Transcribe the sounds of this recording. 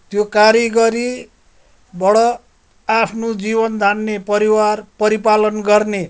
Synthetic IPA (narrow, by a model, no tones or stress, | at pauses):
t̪jokaɾjiɡʌɾi | bʌɽʌ | apʰnod͡zibʌnd̪ʱanːepʌɾiwarpʌɾipalʌnɡʌrne